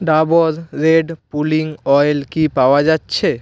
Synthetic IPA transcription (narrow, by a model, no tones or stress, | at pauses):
ɖaboɾɾeɖpuliŋɔjlkipaoad͡ʑatːɕʰe